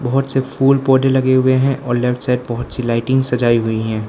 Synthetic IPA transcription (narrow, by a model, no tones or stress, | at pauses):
bɐɦʊt̪sefʰuːlpɔːɖelɐɡeɦʊeɦɛ̃ʔʔɔːɾlɛfʈsaːɪɖ̚bɐɦʊt̪silaːɪʈɪ̃ŋɡsɐd͡ʒaːiɦʊiɦɛ̃ː